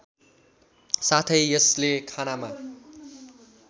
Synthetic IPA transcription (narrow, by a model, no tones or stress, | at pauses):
sat̪ʰʌjjʌslekʰanama